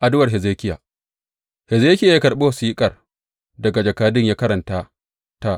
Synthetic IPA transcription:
ʔa˨dʊ˦wɐ˨rɦɛ˨zeː˦kʲɪ˦ja̰ː˨ | hɛ˨zeː˦kʲɪ˦ja˨ja˦kɐ˨ɾɓe˦ha˨siː˦kʼɐ˨r | dɐ˨ɡa˨d͡ʒɐ˨kaː˦dɪ˦ɲjaː˦kɐ˦ɾɐ˨ntaː˦ | ta˦˨ʔ

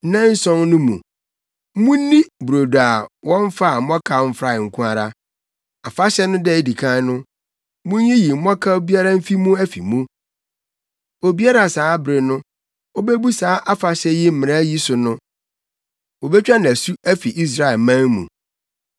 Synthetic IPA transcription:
nã˦n̩˦sɔ̃˦nnʊ̃˦mṵ̃˨˦ | mũ˦nĩ˦bu˨ɾo˨da˨wɔ̃˦ɱ̩˦fa˦˨˦mɔ̃˦kʰa˨m̩˦fɾa˨ŋ̩˨kʰũ˦a˨ɾa˦ | a˨fa˦ɕɛ˦nʊ̃˦dɛ˦˨di˨kʰã˦nʊ̃˦ | mũ˦ɲ˦ji˦ji˨m̩˦mɔ̃˦kʰa˦o˦bi˦a˦ɾa˦m̩˦fi˦mũ˦æ˦fḭ˨mũ˦ | o˨bi˦a˦ɾa˨saː˨˦bɾɪ˨nʊ̃˦ | ɔ˦be˦bu˦saː˨˦ʔa˦fa˨ɕɛ˦ji˦m̩˦mɪ̃˨ã˦ji˦sʊ˨nʊ̃˦ | wo˨bɛ˦t͡ɕᶣa˦n˨æ˨su˦æ˦fi˨ʔi˦s̬ɾa˦˨ɛ˨lmã˦ŋmṵ̃˨

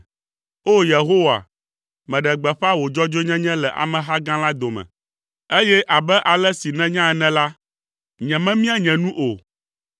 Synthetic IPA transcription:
o˦je˨ɦo˦wa̰˨ | mɛ̃˨ɖɛ˨ɡ͡bɛ˨ɸa˦wo˨d͡ʒɔ˦d͡ʒo˦ɲɛ̃˦ɲɛ̃˦lɛ˨ʔa̰˨mɛ̃˨ɦa˦ɡã˦la˦d̪o˨mɛ̰̃˨ | e˦jɛ˦ʔa˨bɛ˦ʔa˨lɛ˦si˨nɛ̃˦ɲã˦ɛ˨˦nɛ̃˦la˦ | ɲɛ̃˨mɛ̃˦mĩ˦a˨ɲɛ̃˨nũ˦ʔo˨

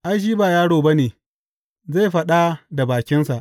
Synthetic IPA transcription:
ʔa˦ʃ̬iː˦baː˨jaː˦ɽoː˨ba˦neː˨ | za˦˨ɸɐ˦ɗa˦da˨baː˨kʲɪ˦nsa˨ʔ

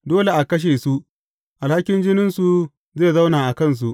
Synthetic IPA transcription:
doː˦le˨ʔa˨kɐ˦ʃ̬eː˨su˦ | ʔa˨lha˦kʲɪ˦nd͡ʒɪ˦nɪ˦nsu˨ | zeː˦˨za˦wnaː˨ʔa˨kɐ˦˨ns̬u˨ʔ

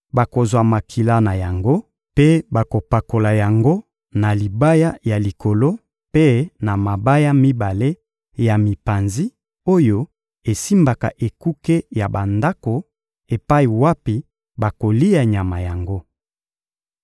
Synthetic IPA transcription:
ba˨ko˨zwa˨ma˨kʰi˨la˦na˨ja˨ŋɡo˦ | pe˦ba˨ko˨pa˨ko˨la˨ja˨ŋɡo˦ | na˨li˨ba˦ja˦ja˨li˨ko˨lo˦ | pe˦na˨ma˨ba˦ja˦mi˦ba˨le˦ | ja˨mi˨pa˨nzi˦ | o˦jo˦ | e˨si˦mba˨ka̰˨ʔe˨ku˦ke˦ja˨ba˨nda˦ko˨ | e˨pa˦i˨wa˦pi˦ | ba˨ko˨li˦ja˨ɲa˨ma˨ja˨ŋɡo˦

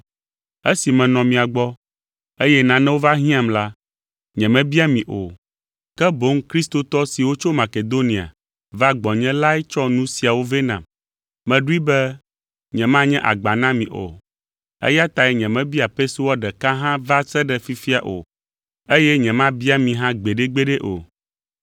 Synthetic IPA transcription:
e˦si˨mɛ̃˨nɔ̃˨mĩ˨a˨ɡ͡bɔ˦ | e˦jɛ˦nã˨nɛ̃˦wo˦va˦ɦĩ˦ã˨mla˦ | ɲɛ̃˨mɛ̃˦bi˦a˦mĩ˨ʔo̰˨ | kɛ˦bo˦ŋ˦kɾi˦st̪o˦t̪ɔ˦si˨wo˦t͡ʃo˦ma˨ke˨d̪o˦nĩ˨a̰˨ | va˦ɡ͡bɔ˨ɲɛ̃˦la˦ɛ˦t͡ʃɔ˦nũ˦si˨a˨wo˦ve˦nã̰˨m | mɛ̃˨ɖu˦i˦bɛ˦ | ɲɛ̃˨mã˦ɲɛ̃˦ʔa̰˨ɡ͡ba˨nã˦mĩ˨ʔo̰˨ | ḛ˦ja˦t̪a˨ɛ˦ɲɛ̃˨mɛ̃˦bi˦a˨pɛ˦so˦wɔ˦ɖɛ˨ka˦ɦã˦va˦sɛ˦ɖɛ˨fi˦fi˦a˨ʔo̰˨ | e˦jɛ˦ɲɛ̃˨mã˦bi˦a˦mĩ˨ɦã˦ɡ͡be˨ɖe˦ɡ͡be˦ɖɛ˦ʔo̰˨

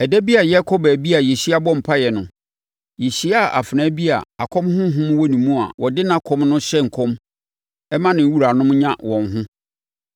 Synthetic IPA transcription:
ɛ˨dæ˦bi˦a˨jɛ˦kʰɔ˦bɛ˨bi˦a˨je˨ɕi˦a˦bɔ̃˦m̩˨pʰa˦jɛ˨nʊ̃˨ | je˨ɕi˦a˦˨ʔa˨fɪ˨nãː˨˦bi˦a̰˨a˨kʰɔ̃˦mhʊ̃˦ɦʊ̃˦m̃˦wɔ˦nĩ˨mũ˦a̰˨wʔɔ˨dɪ˦nã˦kʰɔ̃˦mnʊ̃˦ɕɛ˦ŋ̩˨kʰɔ̃˦m | ɛ˦mã˦nɪ̃˨˦wu˦ɾa˨nʊ̃˦mɲã˦wɔ̃˨nɦʊ̃˦

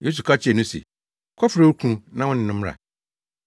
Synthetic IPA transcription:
je˦s̬u˨kʰa˦t͡ɕʰɪ˦ɛ˨nũ˦sḛ˨ | kʰɔ˦fɾa˨wu˦kʰũ˦nã˦wʊ̃˦nɪ̃˨nʊ̃˦mɾa̰˨

